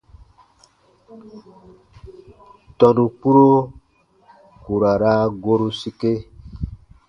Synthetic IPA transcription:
tɔ˨nũ˨k͡pu˦ɾo˦ | ku˨ɾa˨ɾa˦ɡo˦ɾu˦si˦ke˦

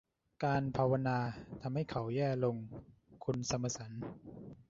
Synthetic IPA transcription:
kaː˧npʰaː˧wa˧naː˧t̪ʰa˧mha˥˩jkʰa˩˦wjɛː˥˩lo˧ŋ | kʰu˧nsa˧mːa˧sa˩˦n

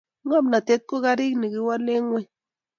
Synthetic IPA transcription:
ŋa˦bna˨t̪e˦t̪̚ko˦ɣa˦ɾi˦kni˨ɡi˦wa˦le˦ŋwʷe˦

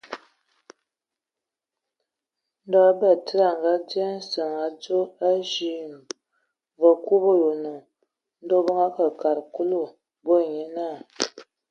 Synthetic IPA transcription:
n̩˦dɔ˦a˦bə˦˨tə˦ɾa˨ŋ˨ɡa˦d͡zi˦a˦n˦sə˨ŋa˨˦d͡zo˦a˦ʒi˦˨m˨ | və˨ku˦bo˦jo˨nə˨ | n̩˦do˦bə˦ŋa˦kə˨ka˨ɾku˦lu˦˨ | bo˦˨ɲe˦na˦˨

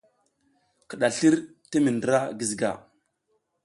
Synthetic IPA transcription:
kə˨ɗa˨ɬi˦ɾ | ti˦mi˨ndɾa˦ɡi˨zɡa̰˨

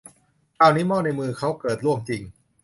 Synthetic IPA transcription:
kʰaː˧wniː˦˥mɔː˥˩na˧jmɯː˧kʰa˦˥wkɤː˨˩t̪̚ɾu˥˩əmt͡ɕi˧ŋ

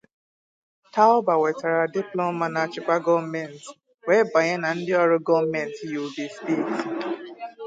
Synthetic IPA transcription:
ta˦ɔ˦ba˨wɛ˨ta˨ɾa˨dɪ˦plɔ˦ma˨na˨t͡ʃɪ˨kʷa˦ɡɔ˦mɛ˨n̩˨t | wɛ˦ba˨ɲɛ˦na˨n̩˦dɪ˦ɔ˦ɾʊ˦ɡɔ˦vmɛ˨n˨ti˦jo˨be˨ste˦˨t

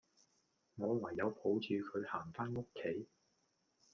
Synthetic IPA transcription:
ŋɔː˨˧wɐ˨˩jːɐ˨˧wpʰo˨˥wt͡ʃʰyː˨˧kʰɵ˨˧ɥhaː˨˩ŋfaː˥no˥kʰːe˨˥j

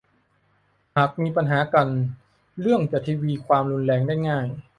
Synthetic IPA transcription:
ha˨˩k̚miː˧pa˧nɦaː˩˦ka˧n | lɯ˥˩əŋt͡ɕa˨˩t̪ʰiː˧wiː˧kʰwaː˧mɾu˧nlɛː˧ŋdaː˥˩jŋaː˥˩j

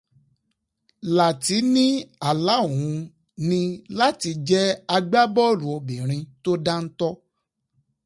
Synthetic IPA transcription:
la˨ti˨˦nĩ˦a˦˨la˨˦˨ũ˨˧ | nĩ˧la˦ti˧d͡ʒɛ˦a˧ɡ͡ba˦bɔ˦˨lũ˨o˧bĩ˨ɾ̃ĩ˧to˦da˦n̩˦tɔ˦

